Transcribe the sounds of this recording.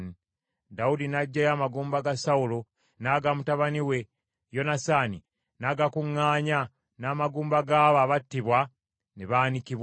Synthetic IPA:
i | daudinaɟːajaːmaɡuːmbaɡasaulo̞ | naɡamutaβaniwe̞ | jo̞nasaːni | naɡakuŋːaːɲa | naːmaɡuːmbaɡaːβaːβatːiβwa | neβaːnikiβ

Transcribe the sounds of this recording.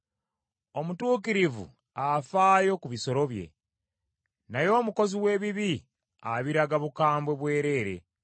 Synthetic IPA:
o̞mutuːkiɾivṵ | afaːjo̞kuβiso̞ɾo̞βje̞̰ | najo̞ːmuko̞ziwe̞ːβiβi | a̰βiɾaɡaβukaːmbwe̞βwe̞ːɾe̞ːɾe̞̰

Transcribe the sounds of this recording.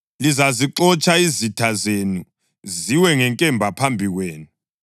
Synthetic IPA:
lizaziǃɔt͡ʃʼaizitʰazenu | ziwɛŋɛŋkʼɛmbʱapʰambʱiɣweːnu

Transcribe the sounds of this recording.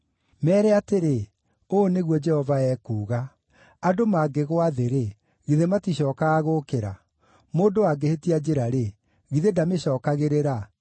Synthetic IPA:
mɛːɾɛateɾe | oneɣwɔd͡ʒɛhɔvaɛːkuːɣa | adomaɡeɣoaðeɾe | ɣiðematiɕɔːkaaɣokeɾa | moːndoaɡehetiad͡ʒeɾaɾe | ɣiðedameɕɔːkaɣeɾeɾa

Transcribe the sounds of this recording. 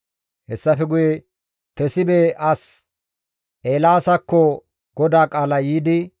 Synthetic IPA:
hɛsːɐfɛɡʊje | t̪ɛsɪbeʔɐs | ʔeːlaːsɐkːɔ | ɡ̥ɔd̪aːkʼaːlɐjiːd̪ɪ

